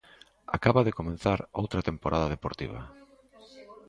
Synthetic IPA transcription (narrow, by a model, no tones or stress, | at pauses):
a̰kaβaðekomẽnθaɾo̰wt̪ɾɐt̪empoɾaðaðepoɾt̪ḭβ̞ɐ̰